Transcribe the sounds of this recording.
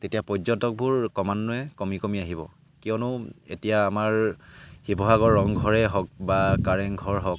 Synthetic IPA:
tetijapɔzɔtɔk̚buɹkɔmanːʊɛkomikomiaɦibɔ̰ | kijɔnʊḛtijaːmaɹxibʱɔɦaɡɔɹːɔŋɡʱɔɹɛɦɔk̚bakaɹɛŋɡʱɔɹɦɔk̚

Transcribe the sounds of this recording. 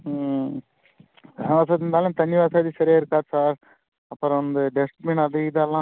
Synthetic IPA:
ʋaːs̬ɐt̪ːɪnd̪aːlũmt̪ɐnːiʋaːsaːðisɐɾɪjaːɪɾɯkːaːɾsaːɾ | ɐpːɐɾɐnd̪ɯɖɛsʈmeɳɐðɯɪðɯɛlːãː

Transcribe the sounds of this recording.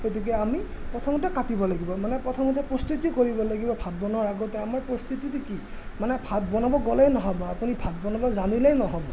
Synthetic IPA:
ket̬ikɛami | pɹɔtʰɔmɔt̬ɛkatibɔlaɡibɔmanɛpɹɔtʰɔmɔtɛpɹɔst̪utikoɹibɔlaɡibɔbʱat̚bɔnɔɹaɡɔtɛamaɹpɹɔst̪utitiki | manɛpʰatbɔnabɔɡɔlɛjnɔɦɔbɔapunibʰʱat̚bɔnabɔzanilɛjnɔɦɔbɔ

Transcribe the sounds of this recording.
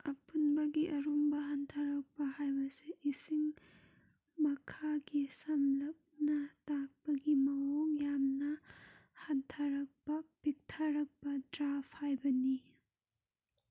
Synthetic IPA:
ɐpunbɐɡiʔɐɾumbɐɦantʰaɾɐk̚pɐhajbɐseʔisiŋ | mɐkʰaɡisɐmlɐp̚nɐtak̚pɐɡimɐoŋjamnɐhantʰaɾɐk̚pɐpik̚tʰaɾɐk̚pɐdɾapʰhajbɐni

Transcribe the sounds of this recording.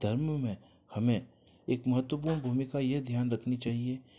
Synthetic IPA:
d̪ʱɐɾmmẽ | hɐmẽ | eːkmɐɦət̪wəp̬uːɾnbʱuːmɪkajeɦd̪ʱjaːnɾɐkʰnit͡ʃaːɦie

